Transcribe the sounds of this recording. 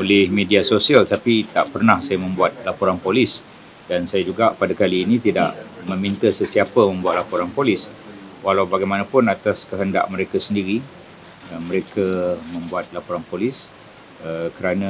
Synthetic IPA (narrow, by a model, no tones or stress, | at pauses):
ulɪhmẽdiasosialt̪apit̪aʔpərnahsajamə̃mbuat̪̚lapoɾanpolɪs | dansajad͡ʒuɡapadakaliːnĩt̪ida̰ʔmə̃mint̪əsəsiapəmə̃mbuat̪ʔ̪lapoɾanpolɪs | wʔaɦlawbaɡajmanãpʊnat̪askəɦənda̰ʔməɾekasəndiɾi | əməɾekʰəmə̃mbuat̪̚lapuɾanpolɪs | əkəɾanã